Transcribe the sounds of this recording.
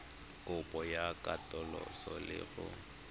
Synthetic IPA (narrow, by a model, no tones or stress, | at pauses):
kʼʊpʼɔjakʼatʼɔlɔ̰sɔlɪ̰ɣʊ